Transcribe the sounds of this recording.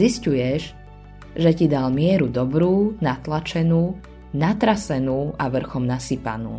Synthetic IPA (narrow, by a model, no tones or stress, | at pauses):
iscujɛʒ | ʒɛcid̪almɪɛɾud̪ɔbɾuːnat̪lat͡ʃɛnuː | nat̪ɾasɛnuːaʋr̩xɔmnasipa̰nṵː